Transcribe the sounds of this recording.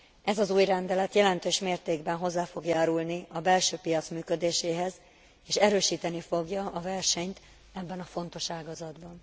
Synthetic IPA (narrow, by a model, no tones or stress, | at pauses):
ɛzɒzuːjrɛnd̪ɛlɛt̪jɛlɛnt̪øːʃmeːrt̪eːɡbɛnɦo̞zːaːfo̞ɡjaːɾulniɒbɛlʃøːpijɒt̪smyːkø̞d̪eːʃeːɦɛz | eːʃɛɾøːʃiːt̪ɛnifo̞ɡjɒɒvɛrʃɛɲt̪ | ɛbːɛnɒfo̞n̪t̪o̞ʃaːɡɒzɒd̪bɒn